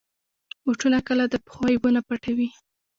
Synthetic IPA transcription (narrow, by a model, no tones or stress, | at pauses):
wʊʈulakəlad̪əpə̥xwɑjwunapaʈawi